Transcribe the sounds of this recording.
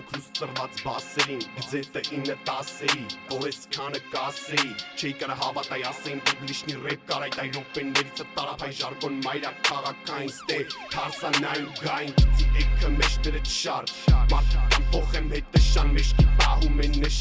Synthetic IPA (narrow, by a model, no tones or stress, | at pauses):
k̪ʰust̪ərvɑt͡sbɑsɛɾinɡəd͡zɛt̪əʔinːət̪ɑsɛivɔɾɛskʰɑnəkɑsɛit͡ʃʰɛikəɾəɦɑvɑt̪ɑjɑsɛinɛvmiʃnirɛp̚kɑɾɑjt̪ɑjɾɔkpɛnːɛɾit͡sʰət̪ɑɾɑpʰɑiʒɑɾkɔnmɑjɾɑkʰɑʁɑkʰːɑjinst̪ɛt̪ʰɑɾsɑnɑjuɡɑjinɛkʰːəmɛʃt̪ɛɾɛt͡s̪ʰʃɑɾmɑɾt̪ʰikɑnpʰɔχɛmhɛt̪ːəʃɑnmɛʃk̪ʰit̪ɑɦumɛnːəʃ